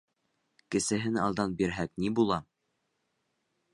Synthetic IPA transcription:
kɘ̆sɘ̆ɦɘnɑlˠd̪ɑnbiɾɦæk̚nibulˠɑ

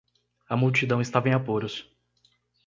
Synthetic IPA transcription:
ɐmuwt͡ʃid̪ɐ̃w̃ɪst̪avẽj̃apoɾʊs

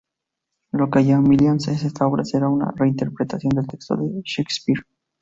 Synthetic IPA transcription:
lokaʝamiljonseesest̪ao̞βɾʔaseɾauna̰re̞int̪e̞ɾpɾet̪asjo̞nd̪e̞lt̪e̞kst̪o̞̰ðeʃekspiɾ

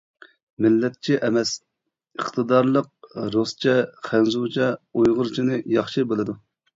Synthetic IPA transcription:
mɪlːɛt̪̚t͡ʃʰiʔɛmɛs | əχt̪ʰɨd̪ɑɾlˠəq̚ɾost͡ʃʰɛχænzut͡ʃʰɛojʁʊɾt͡ʃʰinɨjɑχʃibelˠɨd̪u

